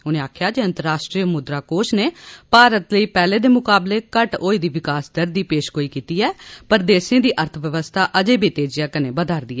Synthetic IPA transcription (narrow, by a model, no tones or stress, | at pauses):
ʊnẽːaːkʰjaːd͡ʒeːə̃nt̪əɾːaːʃʈɾiːmʊd̪ɾaːkoːʃneːpaːɾət̪ləiːpɛːleːd̪eːmʊkaːbleːkəʈoːiːd̪iːʋɪkaːsd̪əɾd̪iːpeːʃɡoːiːkiːt̪iːɛːpəɾd̪eːsẽːd̪iːʔəɾt̪ʰʋjəʋəst̪ʰaːʔəd͡ʒeːbiːt̪eːd͡ʒɪjãːkənẽːbəd̪aːɾd̪iːɛː